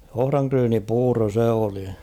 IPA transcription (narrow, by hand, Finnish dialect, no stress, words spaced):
ohrɑŋkryːnipuːro se oli